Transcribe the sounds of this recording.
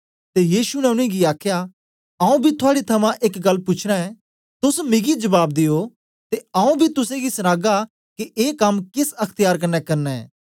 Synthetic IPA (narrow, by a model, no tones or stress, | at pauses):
t̪ejiːsunɛʊɽ̃ĩɡiaːkʰja | ɐũbʱit̪ʰʊaːɽit̪ʰɐmãʔɪkɡɐlːpʊt͡ʃʰɾaɛ | t̪ʊsmɪɡid͡ʒɐbaːb̚d̪ɪjo | t̪eɐũbʱit̪ʊsẽɡisɐnaːɡa | kiʔeːkɐmkɪsɐkʰt̪ɪjaːɾkɐnːɛkɐɾnɛɛ̰ː